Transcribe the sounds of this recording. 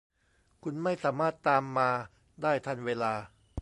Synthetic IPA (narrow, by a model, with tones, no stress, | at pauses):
kʰu˧nma˥˩jsaː˩˦maː˥˩t̪ːaː˧mːaː˧ | daː˥˩jt̪ʰa˧˥˩nweː˧laː˧